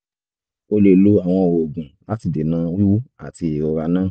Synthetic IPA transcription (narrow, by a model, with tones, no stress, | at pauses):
o˦le˨˧lo˧˦a˨w̃ɔ̃˧˨o˨ɡũ˨la˦ti˧de˨nãː˨˦ju˦a̰˨ti˧e˨ɾɔ˨˧ɾa˧nãː˦˨